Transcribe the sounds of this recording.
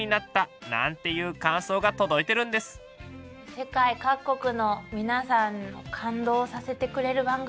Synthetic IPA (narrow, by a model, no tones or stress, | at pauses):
inat̪ːanã̰nt̪e̞jɯ̟ːkãɰ̃so̞ːɡat̪o̞d̪o̞it̪e̞ɾɯ̟̃nd̪e̞sɨ̥ | se̞kaikakːo̞kɯ̟no̞mʲinasãnːo̞̰kʰãnd̪o̞ːsase̞t̪e̞kɯ̟ɾe̞ɾɯ̟bãŋɡ